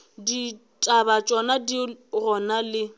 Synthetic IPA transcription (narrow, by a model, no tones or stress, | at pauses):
di | tʼabat͡ʃʼɔnadirɔnalɪ